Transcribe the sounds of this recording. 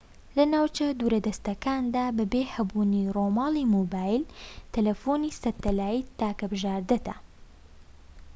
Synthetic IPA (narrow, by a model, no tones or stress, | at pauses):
lɐnaːwt͡ʃɐd̪uːɾɐd̪ɐst̪ɐkaːnd̪aːbɐbeːhɐbuːniroːmɑːlˠimobaːjlt̪ʰɐlɐfonisɐt̪ːɐlaːjit̪aːkɐbɨʒaːɾd̪ɐt̪ɐ̰